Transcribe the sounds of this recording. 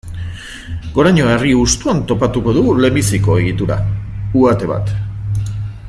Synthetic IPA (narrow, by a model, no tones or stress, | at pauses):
ɡ̥o̞ɾaɲo̞e̞riust̪uant̪o̞pat̪uko̞ðuɣule̞mbisiko̞e̞ɣ̞it̪uɾa̰uat̪e̞βa̰t̪